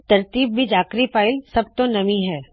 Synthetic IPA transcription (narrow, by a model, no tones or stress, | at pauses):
t̪ɐɾt̪iːbːʱid͡ʒaːkɾifaːɪlsɐb̚t̪onɐmiɦɛː